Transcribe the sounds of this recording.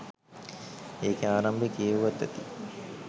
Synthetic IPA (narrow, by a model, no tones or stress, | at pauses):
eːkeaːɾɐmbekijeuʋɐt̪ːɐ̰t̪i